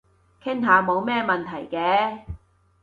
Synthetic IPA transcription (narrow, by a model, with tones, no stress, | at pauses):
kʰɪ˥ŋt̪aː˨˧mo˨˧wmɛː˥mɐ˨nt̪ʰɐ˨˩jkɛː˨˧